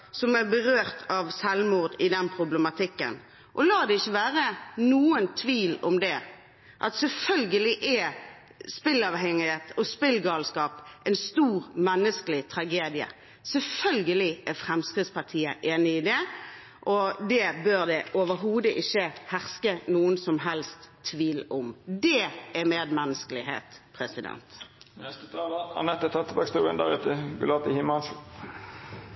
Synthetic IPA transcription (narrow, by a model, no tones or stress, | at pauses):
sɔmæɾbəʁøːʁt̪ʰɑʋsɛlmuːʁd̪ɪd̪ɛnpʰʁʊbləmɑt̪ʰɪkːə̰n | ʔɔlɑːd̪ɛɪçːəʋæːʁənuːənt̪ʰʋiːlɔmd̪ɛ | ʔɑt̪sɛlfœlɡəlɪʔɛ | spɪlɑʋɦɛŋɪheːt̪ʰɔspɪlɡɑːlskɑːpʔɛɪnst̪uːʁmɛnːəskəlɪt̪ʰɾɑɡeːd̪ɪə̰ | sɛlfœlɡəlɪæfɾɛmskʁɪd̪spɑʁt̪ʰiːəʔeːnɪɪːd̪ɛ | ʔɔd̪ɛbøːʁd̪ɛʔoʋəɾɦuːd̪əʔɪçːəhæʁskənuːənsɔmɦɛlst̪ʰːʋiːlɔmd̪ɛæɾmeːd̪mɛnːəskəlɪhḛːt̪pʰʁɛsɪd̪ɛ̰nt̪nɛst̪ət̪ʰɑːləɑ̰nɛt̪ːət̪ʰɛt̪ːəbɑkst̪uːʁə̰nd̪æ̰ʁʉt̪ʰəɡʊ̰lɑt̪əhɪmɑnʃə